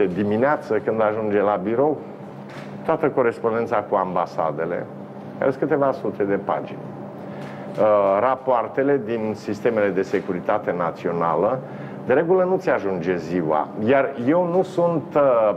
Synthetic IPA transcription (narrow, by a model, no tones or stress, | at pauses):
ed̪imineat̪səkɨnd̪aʒund͡ʒe̞labiɾo̞w | t̪oat̪əko̞ɾe̞spo̞nd̪e̞nt̪sakuambasa̰d̪e̞le̞̰ | ka̰ɾeskɨt̪e̞vasut̪ʰe̞d̪e̞pa̰d͡ʒḭnʲ | rapoart̪e̞le̞d̪insist̪e̞me̞le̞d̪e̞se̞kuɾit̪at̪e̞nat̪sio̞nalə | d̪e̞ɾe̞ɡulənut̪sʲaʒund͡ʒe̞ziwa̰jarje̞wnusunt̪